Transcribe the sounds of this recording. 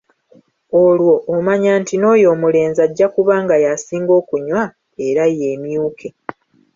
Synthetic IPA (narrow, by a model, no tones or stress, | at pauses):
olwo̞ʔːmaɲaːntino̞ːjo̞ːmule̞ːnzaɟːakuβaːŋɡajasiːŋɡo̞ːkuɲwa | e̞ɾaje̞ːmjuːkʰe̞